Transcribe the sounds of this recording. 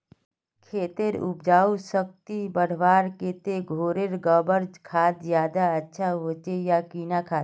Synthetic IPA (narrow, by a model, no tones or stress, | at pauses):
kʰeːt̪eɾʊ̰pd͡ʒaːusək̚t̪ibəɽ̤ʋaːɾkeːt̪eɡʱoːɾeɾɡəbəɾd͡ʒkʰaːt̪zjaːd̪aətːʃʰaɦoːt͡ʃejakiːnakʰaːt̪